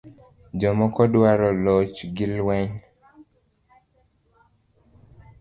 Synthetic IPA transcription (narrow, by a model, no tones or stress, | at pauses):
d͡ʒɔmɔkɔdwaɾɔlɔt͡ʃɡɪlwɛɲ